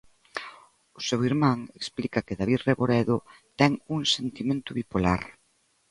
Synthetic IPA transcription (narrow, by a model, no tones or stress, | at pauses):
ʊsewiɾmãŋeksplikɐkɪðaβiðreβoɾɛðʊt̪ɛŋuŋsent̪imẽnt̪ʊβipola̰ɾ